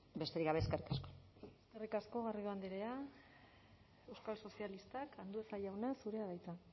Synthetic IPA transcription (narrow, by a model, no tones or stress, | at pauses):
be̞st̪e̞ɾiɡaβeeskarikaskoeskarikasko̞ɣarioand̪eɾea | e̞wskalso̞sialist̪akʰand̪ue̞saʎawnasuɾe̞aβajt͡sa